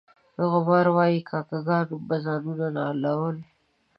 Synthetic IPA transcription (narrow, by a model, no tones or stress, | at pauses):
haɣʊmɑɾwɑjikʰɑkaɡɑnubazɑːnunanɑlawəl